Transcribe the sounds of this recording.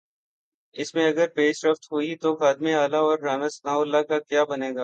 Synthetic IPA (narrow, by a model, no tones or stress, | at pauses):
ɪsmẽɐɡəɾpeːʃɾəft̪ɦuit̪oxaːd̪meaːlaɔːɾːaːmɪsnaːʊlːakakjaːbɐneːɡaː